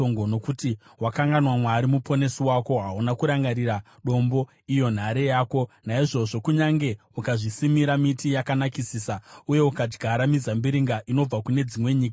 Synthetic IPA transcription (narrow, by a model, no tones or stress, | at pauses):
oŋɡono̞kutiwakaŋɡanwamwaɾimupʰo̞ne̞siwako̞ɦaunakuɾaŋɡaɾiɾa | ɗo̞mbo̞ | ijo̞n̤aɾe̞jaːko̞naiʐo̞ʐo̞kuɲaŋɡe̞ | ukaʐisimiɾamitijakanakisiːsauje̞ukad͡ʒɡʱaɾamizambiɾiŋɡaʔino̞b͡vakune̞d͡zimwe̞ɲiːka